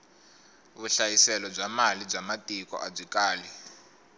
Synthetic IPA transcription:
βuɬajisɛlɔb͡ʐamalib͡ʐamatʼikɔ̰ʔab͡ʐikaːli

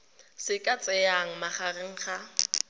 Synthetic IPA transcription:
sɪkʼat͡sʼɛaŋ̩maχarɪŋ̩χa

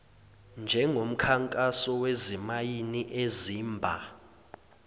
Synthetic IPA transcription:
nd͡ʒʱɛŋʱom̩kʰaŋkʼasɔwezimajiniʔeziːmbʱa

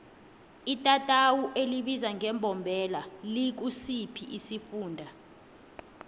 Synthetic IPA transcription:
itʼatʼawuʔeliɓizaŋʱɛmbʱɔmbʱɛlalik̬usipʰiʔisifuːndʱa

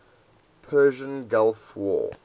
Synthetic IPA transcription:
pʰɜːʒə̃nɡalfwɔ̰

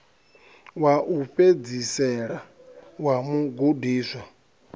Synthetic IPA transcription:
waʔuɸed͡zisɛɺa | wamuɡudiːswa

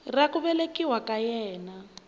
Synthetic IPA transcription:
rakuβɛlekiwakajɛːna

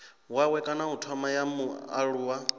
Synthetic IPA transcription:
wawɛkʼanaɦutʰɔmajamua̰ɺuːwa

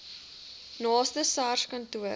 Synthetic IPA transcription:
nɑːstəsɑrskɐntuə

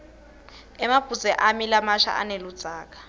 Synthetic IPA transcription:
ɛmab̥ʱuzɛʔamilamaʃa̰ʔa̰nelud̥d͡z̥ʱaːkḁ

